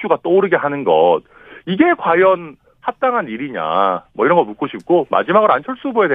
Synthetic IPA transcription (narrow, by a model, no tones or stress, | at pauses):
t͡ɕ͈ʰuɡat͈oːɾɯɡe̞ɦanɯnɡʌt̚ | iɡe̞kwajʌn | hap̚t͈aŋɦaniɾiɲa̰mʌiɾʌŋɡʌmuk͈oɕʰip̚k͈oma̰d͡ʑimaɡɯɾant͡ɕʰʌɭs͈ubojede